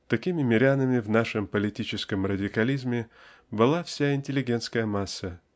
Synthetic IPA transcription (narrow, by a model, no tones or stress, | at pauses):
t̪ɐkʲimʲɪmʲɪɾʲanəmʲɪvnaʂɨmpəlʲɪtʲit͡ɕɪskəmrədʲɪkɐlʲizmʲɪ | bɨlˠafsʲaɪnʲtʲɪlʲɪɡʲe̞nt̪skəjəmasːə